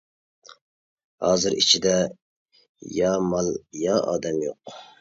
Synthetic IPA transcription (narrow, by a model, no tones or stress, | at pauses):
hɑːzɨɾḭt͡ʃʰid̪ɛ | jɑmɑlˠjɑɑ̰ːd̪ɛmjoq